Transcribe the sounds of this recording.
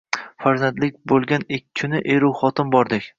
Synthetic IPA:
faɾzand̪lɪk̚ʲbolˠɡʲanɪkʲːkʰʊnɪʔeɾuwχɒt̪ʰɪmbɒɾd̪ɪkʲ

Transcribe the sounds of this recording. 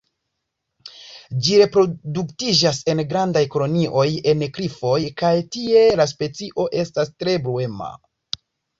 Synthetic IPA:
d͡ʒiɾe̞pɾo̞duktid͡ʒase̞nɡɾandajkolo̞niʔo̞je̞nkɾifo̞jkajtie̞las̬pe̞t͡siʔo̞ʔe̞stastɾe̞bɾue̞ma̰

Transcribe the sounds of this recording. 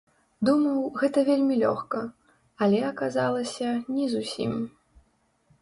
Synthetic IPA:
d̪umɐwɣɛt̪ɐvʲelʲmʲilʲɔ̰xkɐ | ɐlʲɛɐkazalˠɐsʲɐnʲɛzusʲḭm

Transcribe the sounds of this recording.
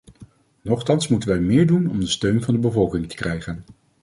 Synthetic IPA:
nɔχtɑnsmutənʋɛjmɪːɹdunɔ̰mdəstøɥnvɑndəbəvɔlˠkɪŋtə̥krɛjχən

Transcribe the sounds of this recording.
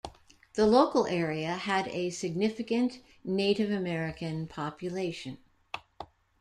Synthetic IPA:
ðəloʊkl̩ˠɛɹiɨɨɾɨsɨɡ̚nɪfɨkɨ̃nʔ | neɪɾɨvɨmɛɹɨkɨ̃npʰɑpjɨleɪʃɨ̃n

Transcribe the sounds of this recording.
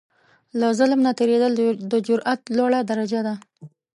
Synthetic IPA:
lazʊlmnat̪eɾed̪əld̪əd͡ʒʊɾʔat̪lɑɽad̪aɾad͡ʒad̪a

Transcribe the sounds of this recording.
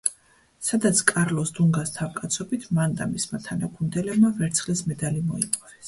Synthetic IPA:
sad̪at̪sʰkʼaɾlɔsd̪uŋɡast̪ʰavkʼat̪sʰɔbit̪ʰmand̪amismat̪ʰanakʰund̪ɛlɛbmavɛɾt̪sʰχlismɛd̪alimɔipʼɔvɛs

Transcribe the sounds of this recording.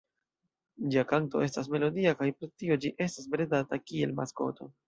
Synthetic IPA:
d͡ʒiakanto̞̰ʔe̞stas̬me̞lo̞diakajpɾetio̞d͡ʒiʔe̞stasbɾedatakie̞̰lma̰sko̞̰to̞̰

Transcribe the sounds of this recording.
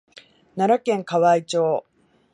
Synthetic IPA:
naɾakẽ̞ŋkaβait͡ɕo̞ː

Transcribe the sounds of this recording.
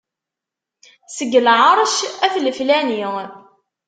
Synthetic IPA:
səɡːəlʕɑɾˤʃæθləflæni

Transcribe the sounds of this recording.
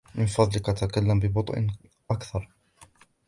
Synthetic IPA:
mɪnfɑðˤlɪkʔat̪akalːambɪbʊt̪ˤʔn | ʔakθɑɾˤ

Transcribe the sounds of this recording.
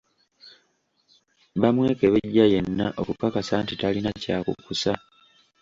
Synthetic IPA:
βamwe̞ːke̞βe̞ɟːaje̞nːaʔo̞kukakasantitalinacaːkṵkusa

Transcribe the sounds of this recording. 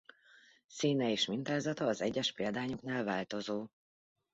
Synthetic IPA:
siːnɛeːʃmint̪aːzɒt̪ɒːzɛɟːɛʃpeːld̪aːɲoknaːlvaːlt̪o̞zoː

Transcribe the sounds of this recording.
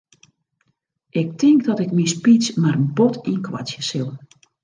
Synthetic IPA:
ʔɪk̚tɪŋkdɔtɪkmispit͡smaɾənbotinkʰwa̰sjəsɪlˠ

